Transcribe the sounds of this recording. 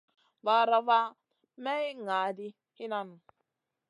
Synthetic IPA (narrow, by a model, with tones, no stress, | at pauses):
va˨ɾa˦va˦ | mɛ˦ŋa˨di˦ | hi˦na˦˨nu˨